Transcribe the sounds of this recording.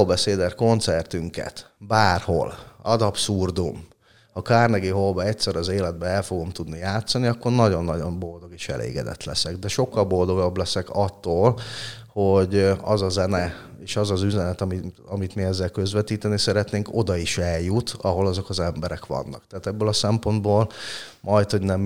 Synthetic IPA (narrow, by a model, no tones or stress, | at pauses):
lbɛseːd̪ɛrko̞nt̪sɛrt̪yŋkɛ̰t̪ | baːrho̞̰lɒd̪ɒpsurd̪um | hɒkaːrnɛɡiɦolbɛɛct̪sɛɾɒzeːlɛd̪̚bɛɛlfo̞ɡo̞mt̪ud̪nijaːt̪sɒniɒkːo̞rnɒɟo̞nːɒɟo̞mbo̞ld̪o̞ɡeːʃɛ̰lʔḛːɡɛ̰d̪ɛ̰t̪lɛsɛɡd̪ɛʃo̞kːɒlbo̞ld̪o̞ɡɒblɛsɛkɒt̪ːoːlho̞ɟɒzɒzɛnɛ | eːʃɒzɒzyzɛnɛt̪ɒmiɒmit̪miɛzːɛlkø̞zʋɛt̪iːt̪ɛnisɛɾɛt̪neːŋko̞d̪ɒiʃɛljut̪ɒɦo̞lɒzo̞kɒzɛmbɛɾɛkʋɒ̰nːɒ̰kt̪ɛːt̪ɛbːølɒsɛmpo̞nd̪boːlmʔɒjt̪ho̞ɟnɛm